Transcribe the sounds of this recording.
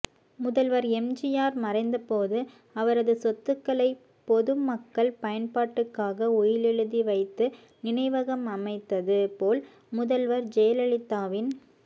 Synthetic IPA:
mʊðɐlʋɐɾɛmd͡ʒɪjaːɾmɐrɐɪnd̪ɐpoːðɯ | ɐʋɐɾɐðɯsɔt̪ːɯkːɐɭɐɪ | pɔðɯmɐkːɐɭpɐjɐnpaːʈːɯkːaːɣɐʊjɪlɛɻɯðiʋɐɪt̪ːɯ | nɪɳɐɪʋɐɣɐmɐmɐɪt̪ːɐðɯpoːl | mʊðɐlʋɐɾd͡ʒɛjɐlɐɭɪt̪ːaːʋɪn

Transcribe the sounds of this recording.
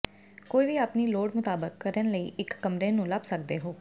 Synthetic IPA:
koːiːʋiːaːpniːloːɽmʊt̪aːbəkːəɾənləḭːʔɪkːəmɾeːnũːləbsək̚d̪eːɦoː

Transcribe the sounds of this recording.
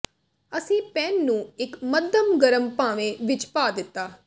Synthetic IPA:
əsĩːpɛːnːũːɪkməd̪əmɡəɾəmpaːʋẽːʋɪt͡ʃpaːd̪ɪt̪ːaː

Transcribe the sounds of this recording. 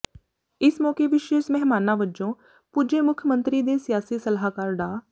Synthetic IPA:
ɪsmɔːkeːʋɪʃeːʃmɛɦmaːnãːʋəd͡ʒõː | pud͡ʒeːmʊkʰjəmə̃nt̪ɾiːd̪eːsɪjaːsiːsəlɦaːkaːɾɖaː

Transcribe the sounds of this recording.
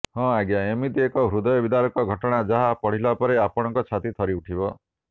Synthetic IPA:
hɔ̃aɡjaemit̪iekɔɦɾud̪ɔjɔbid̪aɾɔkɔɡʱɔʈɔɽ̃ad͡ʒaɦapɔɽ̤ilapɔɾeapɔɽ̃ɔŋkɔt͡ʃʰat̪it̪ʰɔɾiuʈʰibɔ

